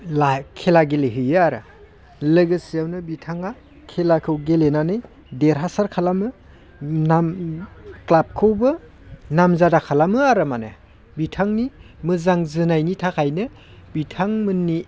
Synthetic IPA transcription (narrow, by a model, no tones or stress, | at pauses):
lakʰelaɡeleɦɯjaaɾa̰ | lɯɡɯsijawnɯbitʰaŋa | kʰelakʰɯwɡelenanɯj | deɾɦasaɾkʰalamɯ | nam | klap̚kʰɯwbɯ | namzadakʰalamɯaɾɯmanɯ̰ | bitʰaŋnimɯzaŋzɯnajnitʰakʰajnɯ | bitʰaŋmɯnːi